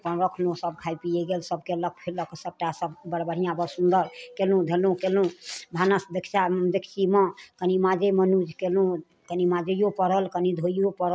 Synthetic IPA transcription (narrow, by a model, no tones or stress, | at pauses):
pəɾəkʰlõsəb̚kʰajpieɡelsəb̚kelək̚ʰpʰeɾləksəb̚ʈasəbbəɽbəɽ̤ijãbəɾsund̪əɾkelũd̪ʱelũkelũbʱanəsd̪ekʰt͡ʃad̪ekʰsimə̃kənimãd͡ʒemənud͡ʒkelũ | kənimad͡ʒejopəɾəlkənid̪ʱojjopəɾə